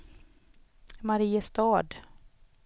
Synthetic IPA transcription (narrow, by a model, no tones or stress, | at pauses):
maɾiːəst̪ɑːd̪